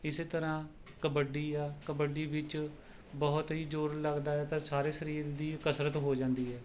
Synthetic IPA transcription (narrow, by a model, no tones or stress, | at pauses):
ɪseːt̪əɾãː | kəbəɖiːɛːkəbəɖiːʋɪt͡ʃ | bɔːt̪ɦiːd͡ʒoːɾləɡd̪aːɛːt̪ãːsaːɾeːsəɾiːɾd̪iːkəsɾət̪ɦoːd͡ʒãːnd̪iːɦɛː